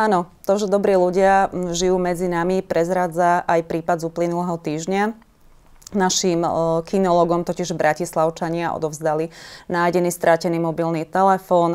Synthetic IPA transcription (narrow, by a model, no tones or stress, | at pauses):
ʔaːnɔt̪ɔʒɛd̪ɔbɾiːluɟɪaʒijuːmɛd͡zinamipɾɛzɾaːd͡zaʔajpɾiːpad̪zuːplinulɛɦɔt̪iːʒɲa | naʃimkinɔlɔːɡɔmt̪ɔciʒbɾʔacislaʊt͡ʃaɲɪaʔɔ̰d̪ɔvzd̪alinaːjɟɛniːst̪ɾʔacɛniːmɔbilniːt̪ɛlɛfɔːn